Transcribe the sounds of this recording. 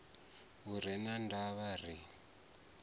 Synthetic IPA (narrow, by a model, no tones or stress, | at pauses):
uɾ̤ɛnandʱaβar̤i